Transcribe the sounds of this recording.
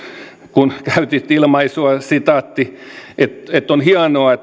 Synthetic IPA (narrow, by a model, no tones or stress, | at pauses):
kunkæyt̪it̪ilmɑisuɑsit̪ɑt̪ːiʔet̪et̪ːonhiɑnoɑet̪